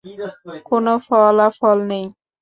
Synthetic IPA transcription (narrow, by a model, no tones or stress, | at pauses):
konofɔlafɔlnej